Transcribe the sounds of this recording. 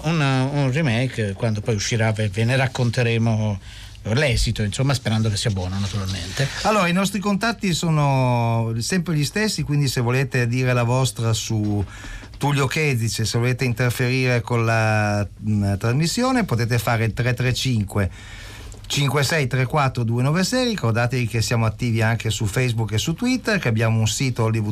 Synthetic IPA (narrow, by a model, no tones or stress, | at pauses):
ununrimɛjkkwand̪opɔjuʃːiɾaveveneɾakːont̪eɾeːmo | lɛːzit̪oinsomːaspeɾand̪okesːiːabwɔːnanat̪uɾalment̪ealːoːɾainɔst̪ɾikont̪at̪ːisoːno | sɛmpɾeʎist̪esːikwind̪isevoleːt̪ed̪iːɾelavɔst̪ɾasu | t̪uʎjokɛd̪zit͡ʃesevoleːt̪eint̪erfeɾiːɾekonla | t̪ɾazmisːjoːnepot̪eːt̪efaːɾeilt̪ɾɛt̪ːɾɛt͡ʃiŋkwe | t͡ʃiŋkwesɛjt̪ɾekwat̪ːɾod̪uːenɔːvesɛjɾrikord̪aːt̪evik̟esjaːmoat̪ːiːviaŋkesufɛjzbukːesut̪ːwit̪ːerkeabːjaːmounsiːt̪olːivu